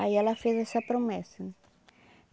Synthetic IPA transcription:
ajalafeðɛsɐpɾomɛsɐ

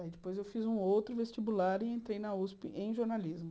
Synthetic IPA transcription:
aid͡ʒɪpojzewfizũowt̪ɾʊvest͡ʃibulaɾɪẽnt̪ɾejnɐuspɪʔẽj̃ʒoɾnalizmʊ

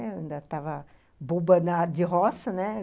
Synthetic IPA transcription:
ĩd̪ɐt̪avɐ | bubɐnɐd͡ʒɪɦɔsɐnɛ

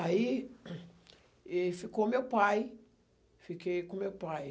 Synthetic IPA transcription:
ai | ɛfikomewpaj | fikejkõmewpaj

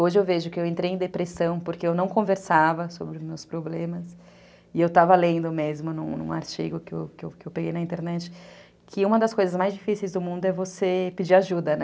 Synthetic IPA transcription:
oʒɪewveʒʊkɪewẽnt̪ɾejẽd̪epɾesɐ̃w̃poɾkeewnɐ̃w̃kõveɾsavɐsobɾɪʊzmewspɾoblẽmɐs | ɪewt̪avɐlẽnd̪ʊmezmʊnũnṵ̃a̰ɾt͡ʃḭɡʊkɪewkɪewkɪewpeɡejnɐĩt̪eɾnɛt͡ʃɪ̥ | kʰɪũmɐd̪ɐskojzɐzmajzd͡ʒifisejzd̪ʊmũnd̪ʊɛvosepɪd͡ʒiɾaʒud̪ɐnɛ

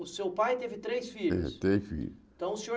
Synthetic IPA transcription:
ʊsewpajt̪evɪt̪ɾejsfiʎɛʊ̰t̪efḭʎ | t̪ɐ̃w̃ʊsẽo

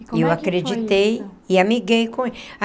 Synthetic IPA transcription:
ewakɾed͡ʒit̪ejɪamiɡejkõ

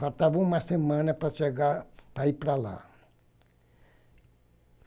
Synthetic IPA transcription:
faɾt̪avɐũmɐsemɐ̃nɐpɾɐʃeɡapɾaipɾala̰

